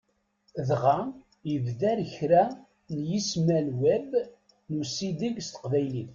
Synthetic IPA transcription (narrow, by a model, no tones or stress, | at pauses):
ðʁa | jəvðæɾçɾæ | njismælwæb | nusid̪iɡst̪ə̥qvæjlin